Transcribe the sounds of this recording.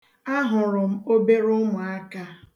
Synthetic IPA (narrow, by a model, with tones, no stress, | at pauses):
a˦ɦʊ˨ɾʊ˨m̩˦o˦be˦ɾʊ˦mʊ˨a˦ka˦